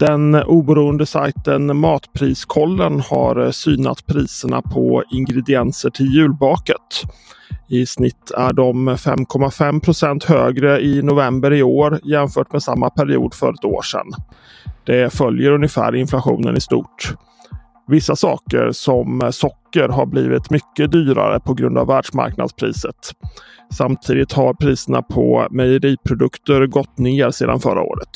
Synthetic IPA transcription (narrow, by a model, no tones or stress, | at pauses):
d̪̥ɛnʔuːbəɾuːənd̪əsa̰jt̪ənmɑːt̪pʰɾiːskʰɔlːənha̰ɾsyːna̰t̪pʰɾiːsəɳa̰pʰɔɪŋɡɾɛd̪ɪɛnsəʈʰɪljʉ̟ːlbɑːkət̪ | ɪsnɪt̪ʰːæɖɔmfɛ̰mkʰɔmːafɛmpʰɾʊsɛnt̪høːɡɾəɪnʊvɛmbəɾɪoːɾjɛmfœːʈmɛsamːapʰæɾɪṵːd̪fœ̰ɾɛt̪o̰ːʂɛ̰n | d̪̥ɛfœljəɾɵnjəfæ̰ːɾɪnflaɧṵːnə̰nɪst̪ṵːʈ | vɪsːasɑ̰ːkə̰ɾsɔmsɔkːəɾɦaɾbliːvɪt̪mʏkːəd̪yːɾa̰ɾə̰pʰɔɡɾɵnd̪a̰vːæːɖʂma̰ɾkna̰d̪spʰɾḭːsət̪ | samt̪ʰiːd̪ɪt̪haɾpʰɾiːsəɳa̰pʰɔmɛjəɾiːpʰɾʊd̪ɵkt̪əɾɡɔt̪ːneːɾseːd̪a̰nfœɾa̰o̰ːɾət̪